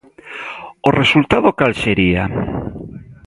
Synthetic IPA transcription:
oresult̪aðokalseɾia

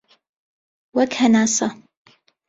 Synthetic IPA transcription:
wakʰanasɑ

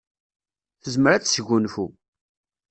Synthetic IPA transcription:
θəzməɾæt͡sːsəʝːunfu

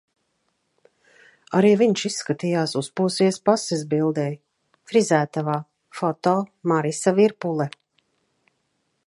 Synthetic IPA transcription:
aɾiːviɲʃisːkat̪ijaːsuspuːsiɛspasɛzbilˠd̪ɛj | kɾizæːt̪avaː | fɔt̪ɔːmaɾisaviɾpulˠɛ

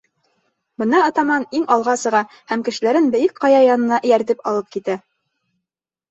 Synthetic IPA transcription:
bɤ̆nɑɒt̪ɑmɑniŋɑlˠʁɑsɤ̆ʁɑ | hæmkɘ̆ʃɘ̆læɾɘnbɘ̆jɘk̚qɑjɑjɑnɤ̆nɑʔɘ̆jæɾt̪ɘpɑlˠɤp̚kit̪æ

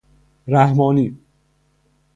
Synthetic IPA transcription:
ɾæhmɒːniː

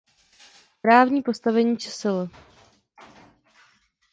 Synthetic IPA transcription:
pɾaːvɲiːpo̞st̪avɛɲiːt͡ʃɛsɪlo

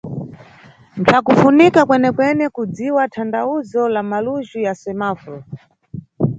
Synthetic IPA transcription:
ntʰakufunikakwɛnɛkwɛnɛkud͡ziwatʰandauzɔlamaluʒujasɛmaːfɾɔ

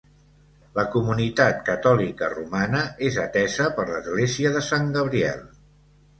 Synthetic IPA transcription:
ləkumunit̪at̪kət̪ɔlikə̰rumanəezət̪ɛzəpəɾləzɣleziəðəsaŋɡəβ̞ɾiɛ̰lˠ

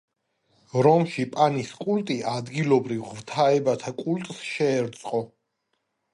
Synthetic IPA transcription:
ɾɔmʃipʼaniskʼult̪ʼiʔad̪ɡilɔbɾivʁvt̪ʰaɛbat̪ʰakʼult̪ʼsʃɛːɾt̪sʼqʼɔ

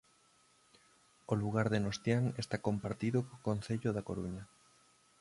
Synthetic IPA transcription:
oluɣaɾðenost̪jaŋest̪akompaɾt̪iðokokonθeʎoðakoɾuɲɐ

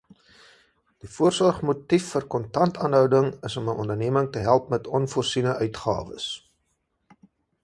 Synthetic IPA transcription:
d̥ifuərsɔrχmutifːərkɔntɐntɑːnɦœwdəŋəsɔməʔɔndərniəməŋtəɦælˠp̚mɛtɔnfursinəʔœɥtχɑ̰ːvə̰s

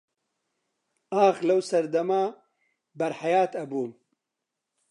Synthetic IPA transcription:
aːxlɐwsɐɾd̪ɐmaː | bɐɾħajaːt̪ɐbuːm

